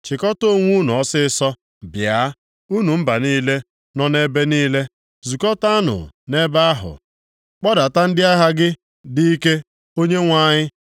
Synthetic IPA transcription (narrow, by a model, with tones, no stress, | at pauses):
t͡ʃɪ˨kɔ˦to˦ŋʷu˦nu˨ɔ˦sɪ˦sɔ˦ | bja˨˦ | u˦nu˨m̩˦ba˨niː˦le˦ | nɔ˦ne˦be˦niː˦le˦ | zu˨kɔ˦ta˦nʊ̰˨ne˦ba˦a˦ɦʊ̰˨ | k͡pɔ˦da˨ta˦n̩˦dɪ˦a˦ɦa˦ɡɪ˦ | di˦i˦ke˦ | o˦ɲe˦ŋʷa˦ɲɪ˦